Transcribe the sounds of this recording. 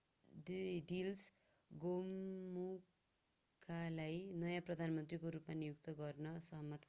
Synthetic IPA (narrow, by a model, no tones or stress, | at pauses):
dɖils | ɡomːu | kʰalajnʌjãprʌd̪ʱanmʌnt̪rikoɾupmanijuk̚t̪ʌɡʌrnʌsʌɦʌmʌt̪